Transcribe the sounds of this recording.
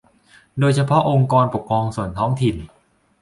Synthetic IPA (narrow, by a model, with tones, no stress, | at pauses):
doː˧jt͡ɕʰa˧pʰɔ˦˥ʔo˧ŋkɔː˧npo˨˩kʰɾɔː˧ŋsu˨˩ənt̪ʰɔː˦˥ŋt̪ʰi˨˩n